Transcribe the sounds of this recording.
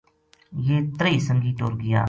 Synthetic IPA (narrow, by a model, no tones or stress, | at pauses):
jeːt̪ɾəiːsəŋɡiːt̪o̰ːɾɡɪja̰ː